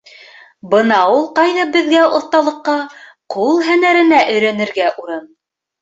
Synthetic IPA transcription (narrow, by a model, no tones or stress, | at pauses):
bɤnɑulˠqɑjðɑbɘ̆ðɡæʔŏθt̪ɑlˠɤ̆qːɑ | qulˠɦænæɾɘ̆næʔɵ̆jɾænɘ̆ɾɡæʔuɾɤn